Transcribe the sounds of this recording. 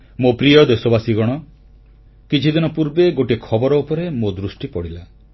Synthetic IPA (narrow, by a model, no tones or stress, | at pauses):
mopɾijɔd̪esɔbasiɡɔɽ̃ɔ | kit͡ʃʰid̪inɔpuɾbeɡoʈikʰɔbɔɾɔupɔɾemod̪ɾusʈipɔɽila